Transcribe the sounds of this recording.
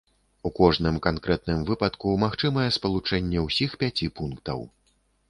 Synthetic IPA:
ukɔʐnɨmkankɾɛt̪̚nɨmvɨpɐt̪kumaxt͡ʂɨmɐjɛspɐlˠut͡ʂɛnʲːɛwsʲixpʲat͡sʲipunkt̪ɐ̰w

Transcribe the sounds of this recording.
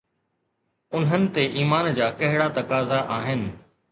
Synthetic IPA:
ʊnɦənɪ̆t̪eʔiːmaːnd͡ʑaːkɐɦɪɽat̪ɐkaːzaʔaːɦɪnɪ̆

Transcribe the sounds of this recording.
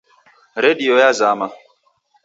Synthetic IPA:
ɾediojazama

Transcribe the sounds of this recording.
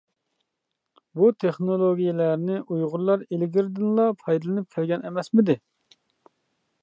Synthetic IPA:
but̪ʰeχnolˠoɡʲijelæɾnɪʔujʁʊɾlˠɑɾelɡʲiɾd̪ɪnlˠɑpʰɑjd̪ɨlˠɨnɨp̚kʲʰɛlɡʲɛnɛmɛsmɪd̪ɪ

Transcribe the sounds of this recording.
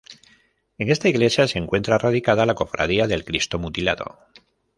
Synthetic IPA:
e̞ŋe̞st̪aiɣle̞sjase̞ŋkwe̞nt̪ɾaraðikaðalako̞fɾa̰ð̞iaðe̞lkɾist̪o̞mut̪ila̰ðo̞̰

